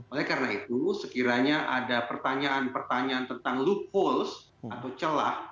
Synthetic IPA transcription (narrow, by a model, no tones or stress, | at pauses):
ʔolɛhkarənait̪usəkiɾaɲaʔadapərt̪aɲaːnpərt̪aɲaːnt̪ənt̪aŋluk̚hols | at̪awt͡ʃəla̰h